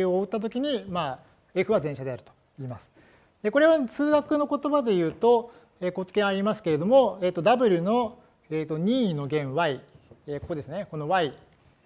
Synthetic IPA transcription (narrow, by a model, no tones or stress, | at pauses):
oːɯ̟t̪ːat̪̬o̞kʲiɲ̟imaː | e̞ɸɯ̟βazẽɕad̪e̞aɾɯ̟t̪o̞̥ | iːmasɨ̥ | d̪̥e̞ko̞ɾe̞βasɨːɡakɯ̟no̞ko̞t̪o̞bad̪e̞jɯ̟ːt̪o̞ | eːko̞t͡sɨ̥kʲẽ̞ɰ̃aɾʲimasɨ̥ke̞ɾe̞d̪o̞mo̞eːt̪ːod̪abɯ̟ɾʲɯno̞ | eːt̪o̞ɲ̟ʲiːno̞ɡẽ̞ɰ̃βaieːko̞ko̞d̪e̞sɨne̞kono̞βai